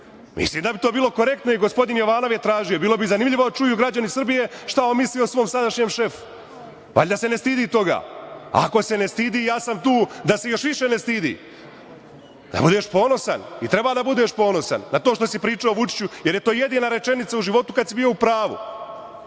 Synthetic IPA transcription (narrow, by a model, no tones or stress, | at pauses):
mḭsliːmd̪abit̪o̞ːbiːlˠo̞ko̞ɾe̞k̚t̪noiɡospo̞d̪injo̞ʋaːno̞ʋjet̪ɾaːʒijo̞biːlo̞bizanimʎʲiʋo̞d̪t͡ʃujuɡɾad͡ʑanisr̩bije̞ʃt̪aonmislijosʋo̞ːmsad̪aʃɲemʃe̞fu̥ | ʋa̰ʎʲd̪ase̞nest̪iːd̪iːt̪o̞ɡa̰ːa̰ko̞se̞ne̞st̪iːd̪iːjaːsamt̪uːd̪ase̞jo̞ʃʋiʃe̞nest̪iːd̪ḭː | d̪̥a̰bud̪e̞ːʃpo̞ːno̞sa̰nit̪ɾe̞baːd̪abud̪e̞ːʃpo̞ːno̞sa̰nːat̪oːʃt̪o̞sipɾiːt͡ʃaoʋut͡ʃi̥t͡ɕujeɾjet̪o̞ːje̞d̪iːnaɾe̞t͡ʃe̞nit̪sauʒiʋo̞t̪ukad̪sibijo̞upɾaːʋṵ